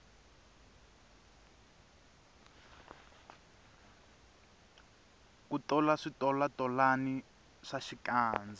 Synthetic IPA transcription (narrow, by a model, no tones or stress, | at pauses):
kutɔlaʂitɔlatʼɔlani | ʂaʃikaːnd͡za